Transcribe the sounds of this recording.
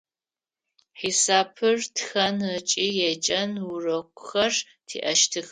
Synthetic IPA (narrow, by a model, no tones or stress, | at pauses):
ħiːsaːpʰɨrtxɐnɐt͡ʃʼiːjɛt͡ʃʼɐnwʊrɐkʷʼʊ̥xɐr | tʰḭːʔɐʃtʰɨx